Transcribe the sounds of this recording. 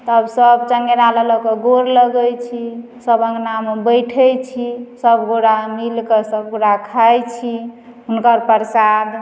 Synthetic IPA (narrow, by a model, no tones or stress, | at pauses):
t̪əbsəbt͡ʃəŋɡeɾalalɔkəɡoɾləɡəjt͡ʃʰi | səbə̃ŋɡnambəjʈʰəjt͡ʃʰisəbɡoɽamilkəsəb̚ɡoɽakʰajt͡ʃʰi | ɦunkəɾpəɾsad̪